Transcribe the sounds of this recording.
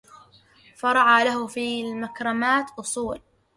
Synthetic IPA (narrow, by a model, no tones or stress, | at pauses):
fɑɾˤɑʕaːlahʊfilmakɾˤɑmaːt̪ʔʊsˤuːl